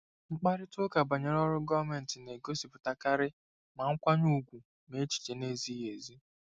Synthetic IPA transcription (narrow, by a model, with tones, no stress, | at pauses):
ŋ͡m̩˦k͡pa˦ɾɪ˦tʊ˦ka˨ba˨ɲe˨ɾɔ˦ɾʊ˦ɡɔ˦va˨me˨n̩˨tɪ˨ne˨ɡo˦si˨pʊ˨ta˨ka˦ɾɪ˦ | ma˨ŋ̩˦kʷa˦ɲu˦ɡʷu˨ | me˦t͡ʃi̥˨t͡ʃe˨ne˦zi˦ɦe˨zi˦